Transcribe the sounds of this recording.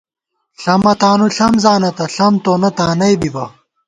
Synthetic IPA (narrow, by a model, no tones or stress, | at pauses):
ɬɐmɐt̪aːnuɬɐmzaːnɐt̪ɐɬɐmt̪oːnɐt̪aːnɐjbibɐ